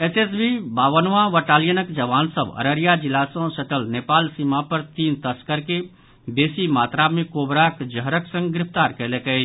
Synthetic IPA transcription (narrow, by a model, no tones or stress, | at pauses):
eses̬bibaːʋənʋãʋəʈaːlijənəkd͡ʒəʋaːnsəbə̰ɾəɾijad͡ʒɪlaːsõsəʈəlneːpaːlsiːmapəɾt̪iːnt̪əskəɾke | beːsimaːt̪ɾamẽkoːbɾakd͡ʒəɦɾəksə̃ŋɡɡɾɪpʰt̪aːɾkɛlekəi